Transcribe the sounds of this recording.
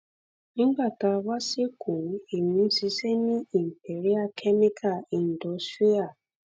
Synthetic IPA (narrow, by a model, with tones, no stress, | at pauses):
ɡ͡ba˨ta˨wa˦se˦kʰu˨˦e˨mĩ˨˦n̩˦si˦se˦ni˦i˨m̩˨pe˨ɾi˦a˦˨kʰe˦me˦kʰa˦˨i˨n̩˨dɔ˨˦sti˦a˨